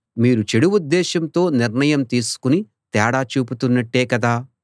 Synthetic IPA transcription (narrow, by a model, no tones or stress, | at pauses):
miːɾut͡ʃeɽuʋud̪ːɛːʃɐmt̪o̞ːniɾɳɐjɐmt̪iːsu̥kuni | t̪ɛːɽaːt͡ʃuːput̪unːɐʈːe̞ːkɐd̪aː